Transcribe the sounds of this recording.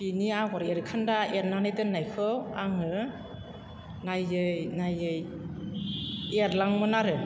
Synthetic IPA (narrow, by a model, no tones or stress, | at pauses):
piniaɡɔɾeɾkʰandaeɾnanajdɯnːajkʰɯaŋɯ | najɯjnajɯj | eɾlaŋmɯnaɾɯ